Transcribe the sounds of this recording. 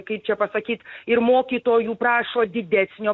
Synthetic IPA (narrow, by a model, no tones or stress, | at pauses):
kɐɪp̚t͡ʃʲɛpɐsɐkʲiːt̪ɪɾmoːkʲiːt̪oːjuːpɾɑːʃoːd̪ʲɪd̪ʲæːsʲnʲoː